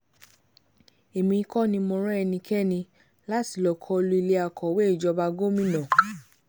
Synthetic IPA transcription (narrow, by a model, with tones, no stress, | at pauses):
e˨mĩ˧˦kɔ˦nĩ˧mɔ̃˧ɾɛ˦ɛ˧nĩ˧kʰɛ˦˨nĩ˧ | la˦ti˨lɔ˨kʰɔ˧lu˧i˧le˧a˨kʰɔ˨we˦i˨d͡ʒɔ˧ba˧ɡo˦mĩ˦˨nã˨